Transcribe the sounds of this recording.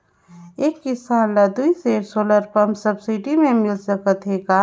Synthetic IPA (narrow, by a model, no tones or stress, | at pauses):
eːkːɪsaːnlɐd̪uiseːɾsoːləɾpəmsəbsɪʈimẽmɪlsəkət̪eka